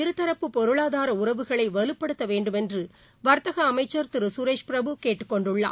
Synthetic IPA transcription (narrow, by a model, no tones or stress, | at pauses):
ɪɾɯt̪ːɐɾɐpːɯpːɔɾɯɭaːðaːɾɐʊɾɐʋɯɣɐɭɐɪʋɐlɯpːɐɽɯt̪ːɐʋeːɳɖɯmɛndrɯ | ʋɐɾt̪ɐɣɐːmɐɪt͡ʃːɐɾt̪ɪɾɯsʊɾeːʂpɪɾɐbɯkeːʈːɯ̥kːɔɳɖɯɭːa̰ː